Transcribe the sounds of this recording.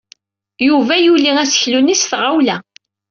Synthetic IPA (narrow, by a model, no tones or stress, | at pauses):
juvæjuliŋæsə̥çlunisθʁawlæ